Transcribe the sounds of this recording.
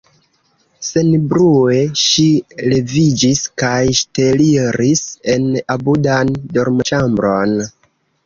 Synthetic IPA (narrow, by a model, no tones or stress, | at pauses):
se̞nbɾue̞ʃile̞vid͡ʒiskajʃteliɾise̞nabudandoɾmt͡ʃambɾo̞n